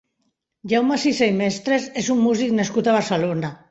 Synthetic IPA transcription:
ʎawmasisejmest̪ɾesesumːuziknaskut̪aβaɾselona

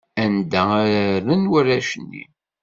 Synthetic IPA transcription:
ænd̪ææɾɾənwæɾæʃənːḭ

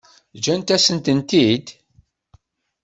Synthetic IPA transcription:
d͡ʒænt̪æsənt̪ənt̪id̪

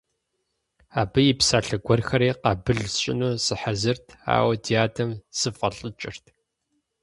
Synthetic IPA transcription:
aːbɨjipsaːɬɐɡʷɔrxɐɾeːqɑːbɨɮɕʼɪ̰nuːsɨħazɨrtʰa̰ːwɐdʰijaːdʰɐmsɨfʼɐɬʼɨt͡ʃʼɪrtʰ

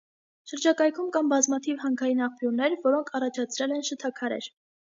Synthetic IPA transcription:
ʃəɾd͡ʒɑkɑjkʰumkɑnbɑzmɑt̪ʰivhɑŋkʰɑjinɑχpjuɾnɛɾvɔɾɔŋkʰɑrɑt͡ʃʰɑt͡sʰɾɛlɛnʃət̪ʰɑkʰɑɾɛ̰ɾ

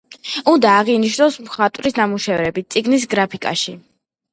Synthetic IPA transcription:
und̪aːʁiniʃnɔsmχat̪ʼvɾisnamuʃɛvɾɛbit̪̚t̪sʼiɡnis̬ɡɾapʰikʼa̰ʃi

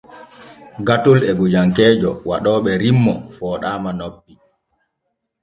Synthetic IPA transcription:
ɡatulɛɡud͡ʒaŋkɛːd͡ʒɔwa̰ɗɔːɓɛɾimːɔfɔːɗaːmanobːi

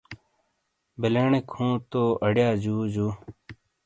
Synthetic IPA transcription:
beleːɳekʰũːt̪oːɐɽjaːd͡ʑuːd͡ʑuː

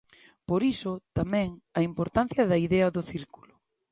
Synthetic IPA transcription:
poɾisʊt̪amɛ̃ŋɐimpoɾt̪an̟θjɐðɐiðɛɐðʊθiɾkulʊ

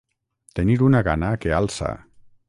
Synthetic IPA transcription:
t̪eniɾunaɣanakealˠsa̰

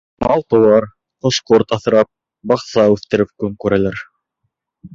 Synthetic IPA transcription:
mɑlˠt̪ŏwɑɾ | qŏʃqoɾt̪ɑθɤ̆ɾɑp̚ | bɑqsɑʉθt̪ɘ̆ɾɘp̚kɵŋkʉɾælæɾ

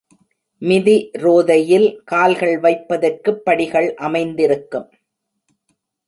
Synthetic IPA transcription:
mɪðiɾoːðɐjɪlkaːlɣɐɭʋɐɪpːɐðɐrkɯpːɐɽɪɣɐɭʔɐmɐɪnd̪ɪɾɯkːɯm

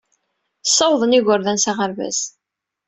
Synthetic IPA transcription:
sˤːɑwðˤəniʝʊɾðænsaʁəɾvæ̰s

